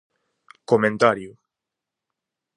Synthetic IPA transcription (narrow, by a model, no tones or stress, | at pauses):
komẽnt̪aɾju